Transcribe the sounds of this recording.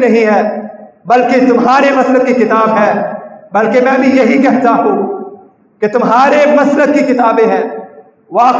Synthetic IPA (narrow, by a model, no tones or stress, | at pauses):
nɐɦĩɦɛː | bɐlket̪ʊmɦaːɾemɐsləd̪̚kikɪt̪aːbɦɛ̃ːbɐlkemɛ̃ːɐbʱĩjɐɦikɛɦd͡ʒaːɦũː | ket̪ʊmɦaːɾemɐsləd̪̚kikɪt̪aːbẽɦɛ̃ː | ʋaː